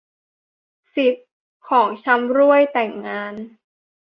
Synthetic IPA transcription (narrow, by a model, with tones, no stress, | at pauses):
si˨˩t̪̚ | kʰɔː˩˦ŋt͡ɕʰa˧˥mɾu˥˩əjt̪ɛ˨˩ŋːaː˧n